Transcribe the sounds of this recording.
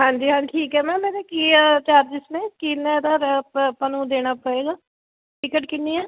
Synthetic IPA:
ɦãːɲd͡ʒiɦãːʈʰiːkɦɛmɛ̃ːmeːnekit͡ʃaːɾd͡ʒɪsmẽkiːnad̪əɾpənud̪eːnapəɽeːɡaː | ʈɪkəʈkɪnːiɛː

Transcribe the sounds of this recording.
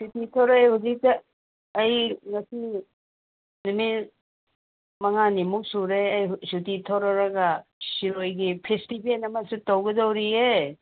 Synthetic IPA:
sutitʰoɾaehuzik̚tɐː | jŋɐsi | numi | mɐŋanimuk̚suɾeɐjsutitʰoɾaɾɐɡɐsiɾojɡipʰestibienɐmɐsutawɡɐdawɾie

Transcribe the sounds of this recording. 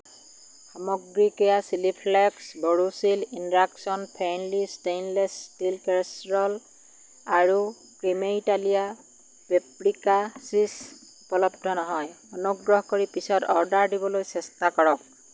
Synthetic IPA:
xamɔɡɹikɔjasilipʰlɛksbɔɹusilinɹaksɔnpʰanlistejnlɛsːtilkɛɹsɹɔl | aɹu | kɹimeitalija | bepɹikasis | upɔlɔbdɔnɔɦɔj | ɔnoɡɹɔɦkoɹipisɔtɔɹdaɹdibɔlojsɛstakɔɹɔk̚

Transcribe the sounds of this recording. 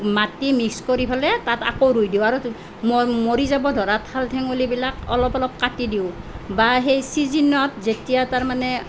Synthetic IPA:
matimikskoɹipʰalɛtata̰koɾujdiwaɹu | mmoɹizabɔdʱɔɹatʰaltʰɛŋolibilakɔ̰lɔpɔlɔp̚katidiʊbaɦejsizinɔtzetijataɹmanɛ

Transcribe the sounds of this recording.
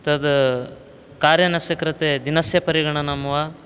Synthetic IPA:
t̪ɐd̪ | kaːɾjɐnɐʃɐkɾɐt̪ed̪inɐsjɐpɐɾiɡɐɳ̃ɐnɐmɐʋa

